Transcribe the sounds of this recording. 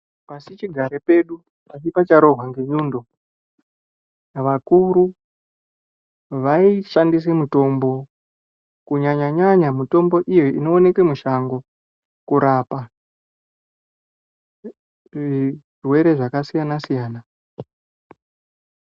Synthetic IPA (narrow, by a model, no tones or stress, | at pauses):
pasit͡ʃiɡʱaɾepe̞ɗu | pat͡ʃipat͡ʃaɾo̞ɦwaŋɡe̞ɲuːndo̞ | ʋakuɾu | ʋaiʃandis̬emuto̞mbo̞ | kuɲaɲaɲaɲamuto̞mbo̞ʔijoino̞ːne̞kemuʃaŋɡo̞ | kuɾapa | ʐʐi | rwe̞ɾe̞ʐakasijanasijaːna